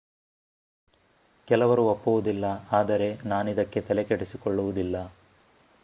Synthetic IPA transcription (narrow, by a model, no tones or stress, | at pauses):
kɛlɐʋɐɾuopːuʋud̪ilːɐaːd̪ɐɾe̞naːnid̪ɐkːe̞t̪ɛlekeɽisikɔɭːuʋud̪ilːɐ